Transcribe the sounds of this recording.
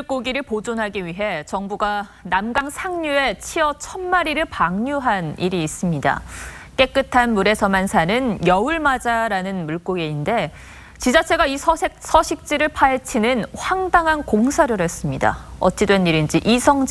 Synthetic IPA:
ɭk͈oɡiɾɯɭpod͡ʑonɦaɡiɥiɦe̞t͡ɕʌŋbuɡa | namɡaŋsʰaŋɲue̞t͡ɕʰiʌt͡ɕʰʌnmaɾiɾɯɭpaŋɲuɦaniɾiːs͈ɯmɲida̰k͈e̞k͈ɯtʰanmuɾe̞sʰʌmansʰanɯnjʌuɭmad͡ʑaɾanɯnmuɭk͈oɡeinde̞ | t͡ɕid͡ʑat͡ɕʰe̞ɡaisʰʌsʰʌɕʰik̚t͡ɕ͈iɾɯɭpʰaɦet͡ɕʰinɯnɸwaŋdaŋɦankoŋsʰaɾɯɾes͈ɯmɲida̰ʌ̰t͡ɕ͈idwe̞niɾind͡ʑiʔisʰʌŋd͡ʑ

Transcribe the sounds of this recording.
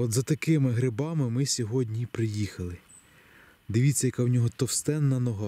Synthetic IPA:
ɔd̪zɐt̪ɐkɪmɪɦɾɪbɑmɪmɪsʲɔɦɔdʲnʲipɾɪjixɐlˠɪ | d̪ɪʋʲit͡sʲːɐjɐkɑwnʲɔɦɔt̪ɔwst̪ɛnːɐnɔɦɑ

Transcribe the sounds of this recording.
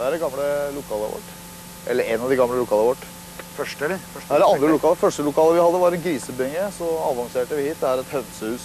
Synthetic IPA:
d̪ɛæɾɛɡɑmːləlʊkʰɑːlə̰ʋɔ̰ʈː | ʔɛ̰lːəɾɛnɑʋd̪ɪɡɑmləlʊkʰɑːləʋɔʈː | fœd̪ɛæɖɛɑnd̪ɾəlʊkɑːləfœʂʈəlʊkʰɑːləʋɪhɑd̪ːəʋɑɾɛnɡɾiːsəbɛŋːəɾsɔɑʋɑŋseːʈəʋɪhiːt̪̚d̪ɛæɾɛt̪hœʋsəhʉːs

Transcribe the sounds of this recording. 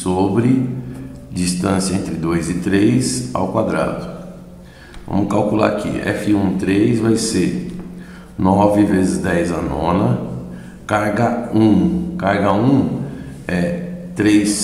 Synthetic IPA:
sobɾɪ | d͡ʒist̪ɐ̃sijɐẽnt̪ɾɪd̪ojzɪt̪ɾejsa̰wkwad̪ɾa̰d̪ʊ | vɐ̰̃mʊkawkula̰ɾakḭɛ̰fiũt̪ɾejzvajseɾ | nɔvɪvezɪzd̪ɛjzanɔ̰̃nɐ | kaɾɡɐũkaɾɡɐũ | ɛt̪ɾejs

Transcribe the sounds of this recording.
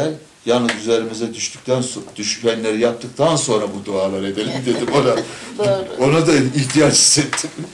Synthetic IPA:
ælʲ | janːɯzyze̞ɾimizɛd̪yʃt̪ʰy̥c̚ʲt̪ʰænsd̪̥yʃyænlʲe̞ɾijap̚t̪ʰːɯk̚t̪ʰanso̞nɾabud̪oaːlˠaɾɯed̪elʲimd̪e̞d̪imona | o̞nad̪aiçt̪ʰijat͡ʃi̥st̪et̪ʰːim

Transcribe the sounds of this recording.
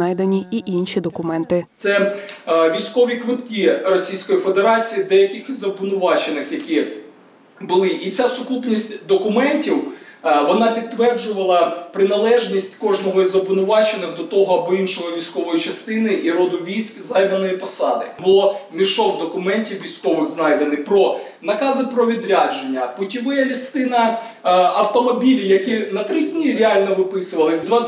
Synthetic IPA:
ɑjd̪enʲiiʔinʃid̪ɔkʊmɛnt̪ɪt̪sɛ | ʋʲijsʲkɔʋʲikʋɪt̪kʲirɔsʲijsʲkɔjife̞d̪eɾɑt͡sʲijid̪ɛjɐkʲɪxizɔbʋɪnʊʋɑt͡ʃenɪxjɐkʲi | bʊlˠɪʔit͡sʲasʊkupnʲisʲtʲd̪ɔkʊmɛnʲtʲiwʋɔnɑpʲid̪̚t̪ːʋɛrd͡ʒʊʋɐlˠɐpɾɪnɐlˠɛʒnʲisʲtʲkɔʒnɔɦɔizɔbʋɪnʊʋɑt͡ʃenɪxd̪ɔt̪ɔɦɔɐbɔinʃɔɦɔʋʲijsʲkɔʋɔjit͡ʃɐst̪ɪnɪʔiɾɔd̪ʊʋʲijsʲkzɑjd̪ɐnɔjipɔsɑd̪ɪbʊlˠɔmʲiʃɔxd̪ɔkʊmɛnʲtʲiwʋʲijsʲkɔʋɪxznɑjd̪enɪxpɾɔ | nɐkɑzɪpɾɔʋʲid̪ɾʲad͡ʒenʲːɐb̥ʊtʲiʋɪjɐlʲist̪ɪnɐ | ɐwt̪ɔmɔbʲilʲijɐkinɐt̪ɾɪdʲnʲiɾʲɪɑlʲnɔʋɪpɪsʊʋɐlˠɪsʲd̪ʋɑ

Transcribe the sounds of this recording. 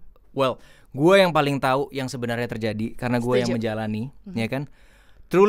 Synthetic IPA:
wɛl | ɡuajaŋpalɪŋt̪auʔjaŋsəbənarɲat̪ərd͡ʒadikaɾənaɡuajaŋməɲd͡ʒalanijakan | t̪ɾu

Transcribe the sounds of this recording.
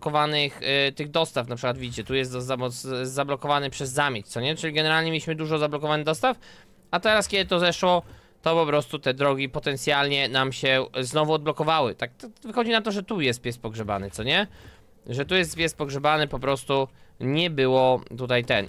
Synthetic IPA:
kɔvanɘxt̪ɘɣd̪ɔst̪afnapʂɘkwat̪vʲid͡ʑit͡ɕɛt̪ujɛst̪zzzamɔzablɔkɔvanɘpʂɛzːamʲjet͡ɕt̪sɔɲɛt͡ʂɘlʲiɡɛnɛɾalʲɲɛmʲjeiɕmɘd̪uʐɔzablɔkɔvanɪɣd̪ɔst̪af | at̪ɛɾaskʲɛd̪ɘt̪ɔzɛʂwɔ | t̪ɔpɔpɾɔst̪ut̪ɛd̪ɾɔɡʲipɔt̪ɛnt̪sʲjalɲɛnamɕɛznɔvuɔd̪̚blɔkɔvawɘt̪ak̚t̪avɘxɔd͡ʑinat̪ɔʐɛt̪ujɛst̪̚pʲjɛst̪pɔɡʐɛba̰nɘt̪sɔɲɛ | ʐɛt̪ujɛst̪pʲjɛst̪pɔɡʐɛbanɘpɔpɾɔst̪uɲɛbɘwɔt̪ut̪ajt̪ɛn

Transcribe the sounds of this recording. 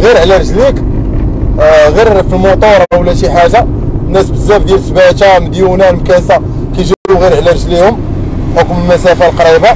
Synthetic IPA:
ɣiɾʕlæɾˤʒlik | ɣiɾfilmot̪ˤoɾˤwlæʃiħaʒa | nːæsbəzːæbd̪jælsbæt̪aməd̪junælmkæsa | kæjʒubluɣiɾʕlæɾˤʒlihʊm | ħokməlmæsæfalqɑɾiba

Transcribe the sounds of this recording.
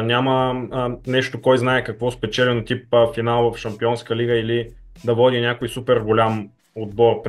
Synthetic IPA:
nʲamənɛʃt̪okɔjznaɛkɐkvɔspɛt͡ʃɛlɛnot̪ip̚əfinalˠvɐfʃɐmpiɔnskəliɡəili | d̪ɐvɔd̪ʲinʲakojsupɛɾɡolʲam | od̪bɔɾp

